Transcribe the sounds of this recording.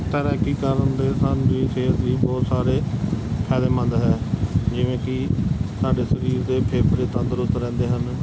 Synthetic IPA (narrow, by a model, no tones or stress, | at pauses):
t̪əːɾəːkiːkəɾənd̪eːsaːniːseːsʋiːbɔːt̪saːɾeːpʰɛːd̪eːmə̃nd̪ɦɛːd͡ʒɪʋẽːkɪsaːɖeːsəɾiːɾd̪eːpʰeːpɾeːt̪ənd̪əɾʊt̪ːɾɛ̃ːnd̪eːɦən